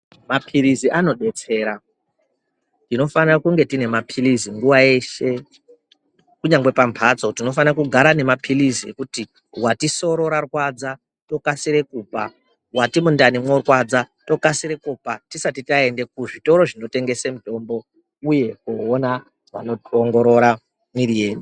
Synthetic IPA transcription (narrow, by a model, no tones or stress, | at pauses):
mapʰiɾiziʔano̞ɗe̞t͡se̞ːɾa | tino̞fanirakuŋɡe̞tine̞mapʰiliziŋɡuʋae̞ʃe̞ | kuɲaŋɡwe̞pampʰat͡so̞tino̞fanrakuɡʱaɾane̞mapʰiliziḛkuti | watiso̞ɾo̞ɾarwad͡za | to̞kasiɾe̞kupa | watimundanimwo̞rwad͡zato̞kasiɾe̞kupatisatitae̞nde̞k̚uʐito̞ɾo̞ʐino̞te̞ŋɡe̞semuto̞mbo̞ | uje̞kuona | ʐa̰no̞toŋɡo̞ɾo̞ɾa | miɾieːni